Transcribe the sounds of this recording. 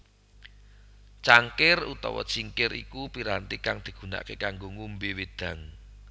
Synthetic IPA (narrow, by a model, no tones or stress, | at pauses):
t͡ʃaŋkɪrṵt̪ɔ̰wɔ̰t͡ʃiŋkɪrḭkupiɾant̪ikaŋd̪̥i̤ɡ̥ṳna̰ʔkekaŋɡoŋumbiwed̪̥ä̤ŋ